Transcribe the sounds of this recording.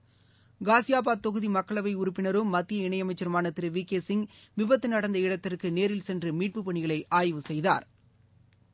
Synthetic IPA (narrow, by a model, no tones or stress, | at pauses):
ɡaːsɪjaːp̬aːt̪ːɔɣɯðimɐkːɐɭɐʋɐɪʊɾʊpːɪnɐɾɯmːɐt̪ːɪjɐɪɳɐjɐmɐɪt͡ʃːɐɾɯmaːnɐt̪ːɪɾɯʋiːkeːsɪŋ | ʋɪbɐt̪ːɯnɐɽɐnd̪ɐɪɽɐt̪ːɪrkːɯneːɾɪlsɛndrɯmiːʈ̚pɯpːɐɳɪɣɐɭɐɪʔaːjʋɯsɛjða̰ːɾ